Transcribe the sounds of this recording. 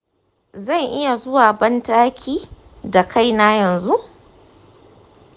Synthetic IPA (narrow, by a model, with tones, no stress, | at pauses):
zɐ˦˨ŋʔɪ˦ja˨zʊ˦waː˨bɐ˦ntaː˦kʲʰiː˦ | da˨kʰa˦˨jnaː˦jɐ˨nzu˦ʔ